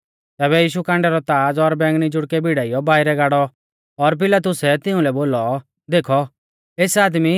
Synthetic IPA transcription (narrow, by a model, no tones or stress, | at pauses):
t̪ɛːβɛjiːʃukãːɳɖɛɾɔt̪aːd͡zɔɾbɛ̃ːŋɡnid͡ʒʊɽkɛbʱɪɽaːijɔbaːɪɾɛɡaːɽɔ | ɔɾp̬ɪlat̪̬ʊsɛt̪ɪʊ̃lɛboːlɔ | d̪eːkʰɔ | eːsaːd̪mi